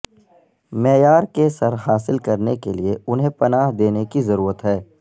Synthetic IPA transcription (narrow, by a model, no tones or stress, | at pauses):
mɛːjaːɾkesɐɾɦaːsɪlkɐɾnekelieʊnɦẽpɐnaːɦd̪eːnekizɐɾuːɾət̪ɦɛː